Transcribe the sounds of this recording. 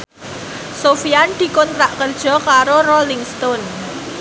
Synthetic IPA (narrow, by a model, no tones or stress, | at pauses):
sofiand̪̥i̤kɔnt̪ɾaʔkərd̥ʒ̥ɔ̤kaɾorolɪŋst̪ɔn